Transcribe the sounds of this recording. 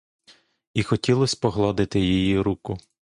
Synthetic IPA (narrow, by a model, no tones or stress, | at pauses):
ixɔtʲilˠɔsʲpɔɦlˠɔd̪ɪt̪ɪjijiɾukʊ